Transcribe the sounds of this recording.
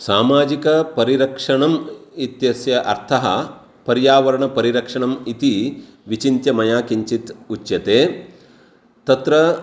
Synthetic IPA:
saːmaːd͡ʒikɐpɐɾiɾɐkʂɐɳɐmit̪jɐsjɐʔɐ̰ɾt̪ʰɐɦɐ̰ | pɐɾjaːʋɐɾɐɳɐpɐɾiɾɐkʂɐɳɐmit̪iʋit͡ʃint̪jɐmɐjaːkiɲt͡ʃit̪ut͡ʃːjɐt̪eː | t̪ɐt̪ɾɐ

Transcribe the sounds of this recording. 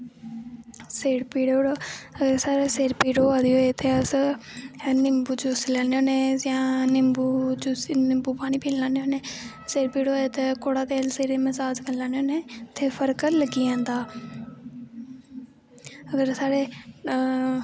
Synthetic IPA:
seːɽpiːɽːoːɽoːəɡəɾsaːɾeːseːɾpiːɽoːaːd̪iɦoet̪ʰeːəs | nɪmbuːd͡ʒuslɛːneoːneːjãːnɪmbuːd͡ʒusnɪmbuːpaːɽ̃iːpʰiːllãːneoːneː | seːɾpiːɽoːeːt̪ekoːɽaːt̪eːlseːɾeːməzaːd͡ʒkəlãːneoːneːt̪ʰeːpʰəɾkəɾləɡiːãːnd̪aː | əɡəɾsaːɾeː

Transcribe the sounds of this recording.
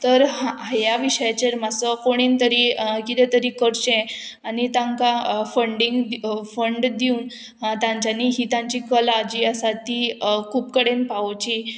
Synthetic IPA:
t̪əɾɦaɦajaʋiɕəjat͡ɕeɾmasəkoɽ̃iːnt̪əɾikit̪ɛt̪əɾiːkəɾɕẽanit̪ãŋkafəɳɖiŋɡ̪fəɳɖd̪iuːn | t̪ãɲt͡ɕaniɦiːt̪ãɲt͡ɕikəlaːd͡ʑiːasat̪ikʰuːpkəɽenpat͡ɕi

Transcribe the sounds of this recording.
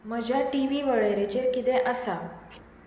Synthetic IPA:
məd͡ʑʱjaʈiʋiʋəɭejɾet͡ɕekit̪eʔəsa

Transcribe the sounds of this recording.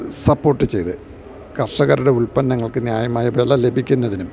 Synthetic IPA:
sɐpːo̞ːrʈːɨt͡ɕe̞jt̪ɨ | kɐrʂɐɣɐɾuɽe̞uɭpɐnːɐŋːɐɭkɨnjaːjɐmaːjɐbelːɐle̞bʱikʲːunːɐðinum

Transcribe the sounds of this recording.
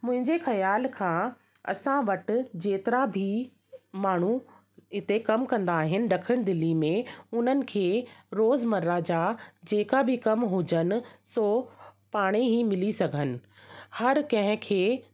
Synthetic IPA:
mʊ̃ɦɪ̃ɲd͡ʑexɐjaːlkʰãː | ɐ̰sãʋɐʈ̆d͡ʑeːt̪ɪɾabʱi | maːɳ̤u | ɪt̪ekɐmkɐ̃nd̪aːɦɪnɪ̆ɖɐkʰəɽ̃d̪ɪlimẽʊn̤ənɪ̆kʰeːɾoːzmɐɾɾad͡ʑad͡ʑeːkabʱɪkɐmɦʊd͡ʑənɪ̆soːpaːɽ̃eɦimɪlisɐɡʱənɪ̆ | hɐɾkɐ̃ɦɪ̃kʰeː

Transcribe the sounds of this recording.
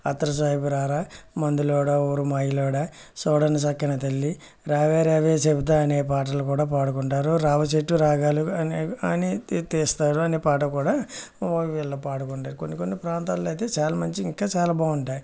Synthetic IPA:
ɐ̰t̪ːɐɾɐs̬aːjipuɾaːɾaːmɐnd̪ulɔːɽaoːɾumɐjilɔːɽa | sɔːɽɐnis̬ɐkːɐnɐt̪elːi | ɾaːʋeːɾaːʋeːt͡ʃebit̪̬aːneːp̬aːʈ̬ɐlukuːɽaːpaːɽukuɳʈaːɾuɾaːʋɐt͡ʃeʈːuɾaːɡaːluɐnɐnit̪eːst̪aːɽuɐneːpaːʈɐkuːɽaː | ʋilːɐpaːɽukuɳʈaːɾukonːikonːipɾaːnt̪aːlɐjt̪eːt͡ʃaːlamɐɲt͡ʃiŋkːaːt͡ʃaːlabaːuɳʈaːji

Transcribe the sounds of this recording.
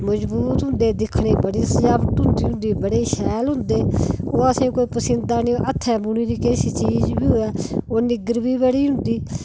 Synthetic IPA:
məd͡ʒbuːt̪ɦʊ̃nd̪eːd̪ɪkʰɽeːbəɽiːsəd͡ʒaːʋət̪ɦʊ̃nd̪iːɦʊ̃nd̪iːbəɽeːʃɛːlɦʊ̃nd̪eːoːəsĩkoːiːpəsɪ̃nd̪aːniʔət̪ʰːɛːbʊniːɾiːkeːsiːt͡ʃiːd͡ʒbiːɦoːɛːoːnɪɡɾbiːbeɽiːɦʊ̃nd̪iː

